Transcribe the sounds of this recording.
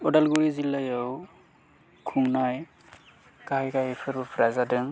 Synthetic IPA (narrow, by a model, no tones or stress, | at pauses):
ɔdalɡuɾizilajaw | kʰuŋnaj | kahajkajepʰɯɾbɯpʰɾazadɯŋ